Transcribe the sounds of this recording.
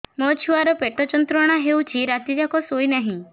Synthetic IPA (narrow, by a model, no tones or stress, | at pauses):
mɔt͡ʃʰuaɾɔpeʈɔt͡ʃɔnt̪ɾɔɽ̃aɦewt͡ʃʰiɾat̪id͡ʒakɔsojnaɦĩ